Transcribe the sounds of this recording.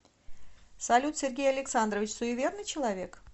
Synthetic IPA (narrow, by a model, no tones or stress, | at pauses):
sɐlʲut̪sʲerɡʲejɐlʲɪksand̪ɾrəvʲɪt͡ɕʲsʊɪvʲe̞rnɨjt͡ɕɪlˠɐvʲe̞k